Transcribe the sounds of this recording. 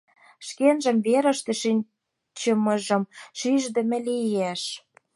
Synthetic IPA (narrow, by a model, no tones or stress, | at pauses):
ʃkenʒə̆mveɾə̆ʃt̪ĕʃinʲ | t͡ɕə̆mɤ̆ʒɤ̆mʃiʒd̪ə̆mĕlijeʃ